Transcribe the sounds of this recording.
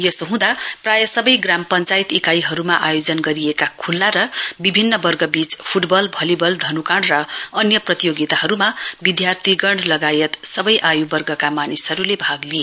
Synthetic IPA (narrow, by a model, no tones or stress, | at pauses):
jʌsoɦũd̪aprajʌsʌbʌjɡrampʌnt͡sajit̪ikajɦʌɾumaʔajod͡zʌnɡʌɾiekakʰulːaɾʌbibʱinːʌbʌrɡʌbit͡spʰuʈbʌlbʱʌlibʌld̪ʱʌnukaɽrʌʌnjʌprʌt̪ijoɡit̪aɦʌɾumabid̪jart̪ʰiɡʌɳɖlʌɡajʌt̪sʌbʌjʔajubʌrɡʌkamanisɦʌɾulebʱaɡlie